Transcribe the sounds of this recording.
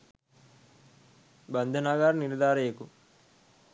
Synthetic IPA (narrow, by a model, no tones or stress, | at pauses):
bɐnd̪ʱɐnaːɡaːɾniɾd̪aːɾeːku